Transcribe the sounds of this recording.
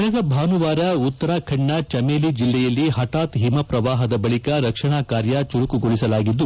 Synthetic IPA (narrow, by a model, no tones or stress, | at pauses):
ɐnɐɡɐbʱaːnuʋaːɾɐut̪ːɐɾaːkʰɐɳːɐt͡ʃɐmeːlid͡ʒilːɛjɐlːiɦɐʈaːt̪ɦimɐpɾɐʋaːɦɐd̪ɐbɐɭikɐɾɐkʂɐɳaːkaːɾjɐt͡ʃuɾukuɡoɭisɐlaːɡid̪ːu